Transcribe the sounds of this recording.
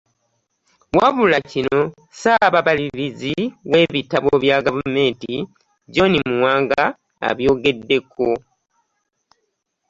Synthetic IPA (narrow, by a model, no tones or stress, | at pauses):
waβulacino̞ | saβaβaliɾiziwe̞ːβitaβoβjaɡavume̞ːnti | ɟo̞nimuwaːŋɡa̰ː | βjo̞ːɡe̞dːe̞kʰo̞